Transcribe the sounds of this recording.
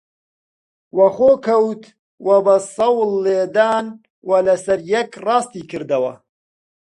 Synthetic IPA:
wɐxoːkʰɐwt̪ | wɐbɐsɐwlːeːd̪aːn | wɐlɐsɐɾjɛkrɑːst̪iːkʰɨɾd̪ɐwɐ̰

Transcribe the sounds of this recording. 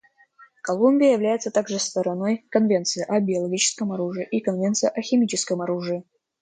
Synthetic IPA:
kɐlˠumʲbʲɪjəjɪvlʲæjɪt̪sət̪aɡʐɨst̪əɾɐno̞jkɐnvʲe̞nt̪sɨjəʔɐbʲɪɐlˠɐɡʲit͡ɕɪ̥skəmɐɾuʐɨɪʔikənvʲe̞nt̪sɨjəʔɐxʲɪmʲit͡ɕɪskəmɐɾuʐɨɪ

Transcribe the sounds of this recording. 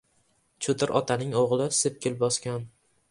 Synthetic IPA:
t͡ʃʰʊt̪ʰɪɾʔɒt̪ʰanɪŋoʁlˠɪsɪp̚kʲʰɪlbɒskʲan

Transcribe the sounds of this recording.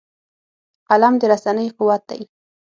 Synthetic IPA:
qalamd̪əɾasanəjqʊwat̪̚d̪a̰j

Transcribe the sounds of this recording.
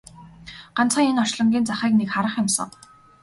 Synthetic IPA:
ɢant͡sχə̆ŋenɔrʃɮɞ̆ŋɡʲiːnt͡saχæːknekχaɾə̆χjʊmsə̰̆ŋ

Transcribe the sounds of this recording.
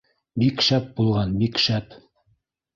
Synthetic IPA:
bikʃæp̚bulˠʁɑnbikʃæp

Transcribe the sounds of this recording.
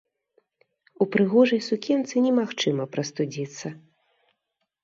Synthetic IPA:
upɾɨɣɔʐɐjsukʲɛnt̪sɨnʲɛmaxt͡ʂɨmɐpɾɐst̪ud͡zʲit̪sːɐ

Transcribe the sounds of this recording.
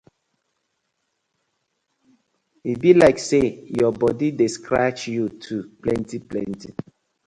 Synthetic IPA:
ibilaɪksejɔbɔdidiskɹat͡ʃjutʰuplɛ̃ntiplɛ̰̃nti

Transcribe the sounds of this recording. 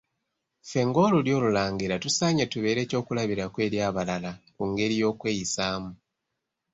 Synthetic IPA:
fe̞ŋɡo̞ːluljo̞ːlulaːŋɡiɾatusaːɲetuβe̞ːɾe̞ːco̞ːkulaβiɾakwe̞ːɾjaːβalalakuŋɡe̞ɾijo̞ːkwe̞ːjisaːmu

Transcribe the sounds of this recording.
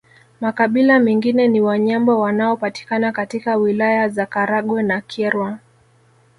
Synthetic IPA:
makaɓilamɛŋɡinɛniwaɲambɔwanaɔpati̥kanakatikawilajazakaɾaɠwɛnakʰɛɾwa

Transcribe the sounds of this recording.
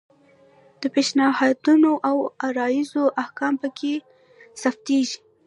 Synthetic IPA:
d̪̥əpeʃnahɑd̪unoʔawaɾɑjizoʔahkɑmpəkʰe | saft̪eʒi

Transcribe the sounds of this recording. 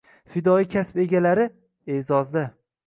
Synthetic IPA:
fɪd̪ɒikʲʰaspe̞ɡʲalaɾɪ | ezɒzd̪a

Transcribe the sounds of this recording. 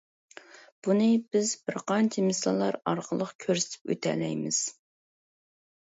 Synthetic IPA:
b̥unɨbɪzbɪɾqʰɑnt͡ʃʰimɨslɨlˠɑɾɑɾqʰəlˠəqkʲʰøɾsɪ̥t̪ʰɪ̥pø̰t̪ʰɛ̰lɛ̰jmɪz̥

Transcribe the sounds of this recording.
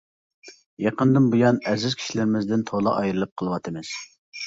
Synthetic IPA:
jɑqənd̪ɨnbujɑnɛzɪz̥kʲʰi̥ʃilɪɾɪmɪzd̪ɪnt̪ʰolˠɑ̰ʔɑjɾɨlˠɨp̚qʰəlˠəwɑt̪ʰɨmɨz̥

